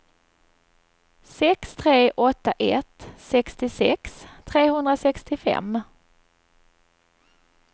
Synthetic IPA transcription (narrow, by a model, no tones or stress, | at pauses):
sɛkst̪ʰɾeːʔɔt̪ːaʔɛt̪sɛkst̪ɪsɛkst̪ʰɾeːhɵnd̪ɾasɛkst̪ɪfɛ̰mː